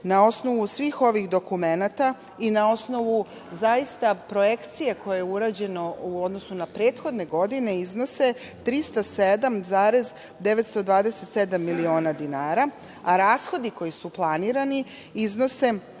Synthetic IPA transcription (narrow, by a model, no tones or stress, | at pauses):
nao̞sno̞ʋusʋiːxo̞ʋixd̪o̞kume̞nat̪a | inao̞sno̞ʋu | zajist̪apɾo̞je̞kt̪sijeko̞jejeuɾaːd͡ʑe̞no̞uo̞d̪no̞sunapɾe̞ːt̪xo̞d̪ne̞ɡo̞d̪ine̞izno̞se̞ | t̪ɾist̪ased̪amzaːɾez | d̪e̞ʋet̪st̪o̞d̪ʋaːd̪eset̪se̞d̪amːilio̞ːnad̪inaːɾa | aɾaːsxo̞d̪iko̞jisuplˠaniːɾani | izno̞se̞